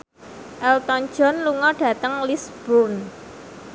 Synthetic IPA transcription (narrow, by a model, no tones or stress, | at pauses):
ʔɛlt̪ɔn̥d͡ʒ̥ɔ̤nluŋɔɖ̥ä̤t̪əŋlisb̥urn